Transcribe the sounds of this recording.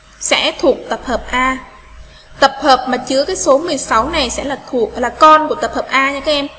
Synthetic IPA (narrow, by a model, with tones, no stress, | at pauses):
sɛ̰˧˥t̪ʰu˨˩ək̚t̪ə˨˩p̚həː˨˩p̚ʔaː˧ | t̪ə˨˩p̚həː˨˩p̚maː˨˩t͡ɕɨ˨˧˦əkaː˨˦jso˨˦mɨ˨˩əjsa˨˦wna˨˩jsɛ̰˧˥laː˨˩t̪ʰu˨˩ək̚laː˨˩kɔ˧nku˧˩ət̪ə˨˩p̚həː˨˩p̚ʔaː˧ɲa˧kaː˨˦ʔɛ˧m